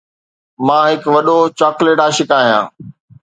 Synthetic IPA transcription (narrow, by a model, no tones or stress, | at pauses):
mãːɦɪkʋɐɗot͡ɕaːkleːʈaːʃɪkaːɦijã̰ː